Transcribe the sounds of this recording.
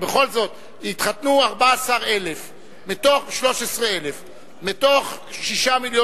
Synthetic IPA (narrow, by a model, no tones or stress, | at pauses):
beχo̞lzo̞t̪ | it̪χat̪nuaʁbaasaʁe̞le̞f | mit̪o̞χʃlo̞ʃesʁeele̞f | mit̪o̞χ | ʃiʃamiljo